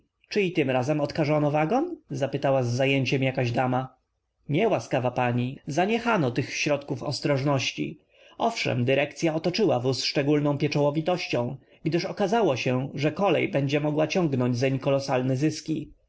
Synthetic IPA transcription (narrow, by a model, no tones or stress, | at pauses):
t͡ʂɘit̪ɘmɾazɛmɔt̪kaʐɔnɔvaɡɔnzapɘt̪awazːajeɲt͡ɕɛmjakaʑd̪ama | ɲɛwaskavapaɲizaɲɛxanɔt̪ɘxɕɾɔt̪kufɔ̰st̪ɾɔʐnɔɕt͡ɕḭ | ʔɔfʂɛ̰md̪ɘɾɛk̚t̪sʲjaɔt̪ɔt͡ʂɘwavusʂt͡ʂɛɡulnɔ̃w̃pʲjɛt͡ʂɔwɔvʲit̪ɔɕt͡ɕɔ̃w̃ | ɡd̪ɘʂɔkazawɔɕɛʐɛkɔlɛ̰jbɛɲd͡ʑɛmɔɡwat͡ɕɔ̃ŋɡnɔɲd͡ʑzɛɲkɔlɔsalnɛzɘskʲi